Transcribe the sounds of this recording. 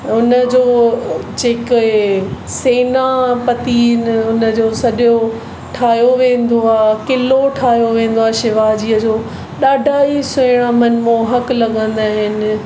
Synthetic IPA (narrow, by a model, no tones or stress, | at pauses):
ʊnəd͡ʑoːd͡ʑeːk | seːnapɐt̪iːnʊnə̆d͡ʑoːsɐɗjo | ʈʰaːɦjoʋẽːn̆d̪oaːkɪloʈʰaːɦijoʋẽːn̆d̪oaːʃɪʋaːd͡ʑiːəd͡ʑoː | ɗaːɖʱaːisẽɽ̃amɐnmõɦɐklɐɠə̃nd̪aːɦɪnɪ̆